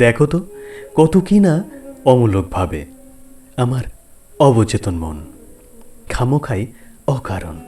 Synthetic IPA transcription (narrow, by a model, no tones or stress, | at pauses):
d̪ɛkʰot̪okɔt̪okinaɔmulok̚bʱabe | amaɾ | ɔbɔt͡ʃet̪onmo̰n | kʰamokʰajɔkaɾo̰n